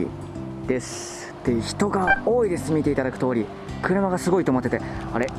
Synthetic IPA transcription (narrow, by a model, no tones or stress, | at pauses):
d̪̥e̞sɨ̥ | t̪e̞çi̥t̪o̞ɡao̞ːid̪e̞sɨmʲit̪e̞it̪ad̪akɯ̟̥t̪o̞ːɾʲi | kɯ̟ɾɯ̟maɡasɨɡo̞it̪oːmot̪ːe̞t̪e̞aɾe̞